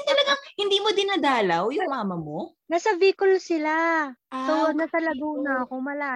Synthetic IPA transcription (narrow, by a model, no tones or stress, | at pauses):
nt̪ɐlɐɡaŋhɪnd̪iːmod̪ɪnɐd̪aːlawjʊŋmaːmɐmo | nasɐviːkolsɪlasonasɐlɐɡuːnɐɐko̞mɐlaː